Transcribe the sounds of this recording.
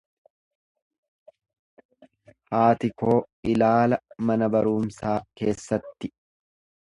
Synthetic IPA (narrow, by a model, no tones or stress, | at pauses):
haːt̪ɪko̞ː | ɪlaːlɐmɐnɐbɐɾuːmsaːke̞ːsːɐt̪ːɪ